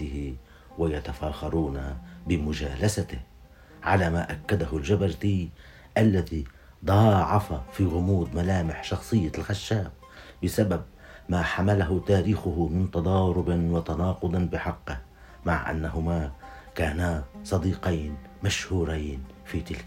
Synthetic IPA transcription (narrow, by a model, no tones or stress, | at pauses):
ɪhɪ | wajat̪afaːxɑɾˤuːnabɪmʊd͡ʒaːlasat̪ɪh | ʕa̰laːmaːʔakːad̪ahʊld͡ʒabaɾt̪iː | ʔalːaði | d̪ˤɑːʕɑfafiːɣʊmuːd̪malaːmɪħʃɑxsˤɨjːalxaʃːaːb | bɪsabab̚ | maːħamalaɦʊt̪aːɾiːxʊɦʊmɪnt̪ɑd̪ˤɑːɾʊbɪnwɑt̪anɑːqʊd̪ˤnbɪħɑqːɪh | maʕʔa̰nːaɦʊmaːkaːnasˤɑd̪iːqajn | maʃhuːɾajn | fiːt̪ɪlk